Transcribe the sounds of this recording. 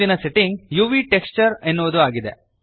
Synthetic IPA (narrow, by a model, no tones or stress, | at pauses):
inɐseʈiŋɡjuːʋiːʈekst͡ʃɐɾenːuʋɐd̪uaːɡid̪e